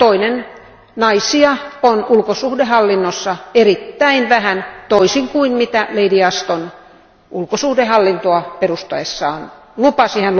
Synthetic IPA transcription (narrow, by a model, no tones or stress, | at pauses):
t̪oinen | nɑisiɑonulkosuhdehɑlːinːosːɑerit̪ːæinʋæhænt̪oisiŋkuinmit̪æleidiɑst̪on | ʔulkosuhdehɑlːint̪oɑperust̪oesːɑ̰ːn | lupɑsihæn